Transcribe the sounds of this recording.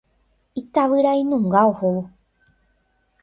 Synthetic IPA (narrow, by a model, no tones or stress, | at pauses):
it̪aʋɨɾainũŋɡaohowo